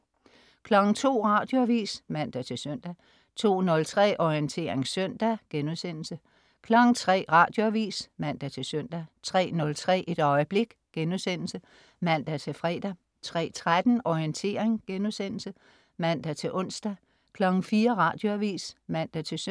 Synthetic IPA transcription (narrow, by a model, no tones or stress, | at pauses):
kʰlɒ̽ɡ̥ŋ̩t͡sʰo̝̰ːʁɑ̈ːd̥joæʋḭːsmæn̰d̥æt͡sʰe̝søn̰d̥æ | t͡sʰo̝̰ːnɔ̽lt͡sʰʁɛ̰ːʔɒiənt͡sʰe̝ːɐeŋsœn̰d̥æɡ̥enuðˠsen̰l̩sə | kʰlɒ̽ɡ̥ŋ̩t͡sʰʁɛ̰ːʁɑ̈ːd̥jo̝æʋḭːsmæn̰d̥æt͡sʰe̝lsœn̰d̥æt͡sʰʁɛ̰ːnɔ̽lt͡sʰʁɛ̰ːʔid̥ɒ̽ɪəb̥le̝ɡ̥ɡ̥enuðˠsen̰l̩sə | mæn̰d̥æt͡sʰe̝lfʁɛ̰ːd̥æ | t͡sʰʁɛ̰ːt͡sʰʁad̥n̩ɒiənt͡sʰe̝̰ːɐeŋɡ̥enuðˠsen̰l̩sə | mæn̰d̥æt͡sʰe̝ʔɔ̽n̰sd̥æ | kʰlɒ̽ɡ̥ŋ̩fiːɐʁɑ̈ːd̥jo̝æʋḭːsmæn̰d̥æt͡sʰe̝s